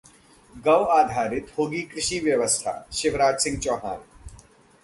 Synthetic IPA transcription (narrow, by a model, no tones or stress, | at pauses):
ɡɐʋaːd̪ʱaːɾɪt̪hoːɡiːkɾɪʃiːʋjɐʋəst̪ʰa̰ːʃɪʋɾaːd͡ʒsɪ̃ŋɡ̚t͡ʃɐːɦa̰ːn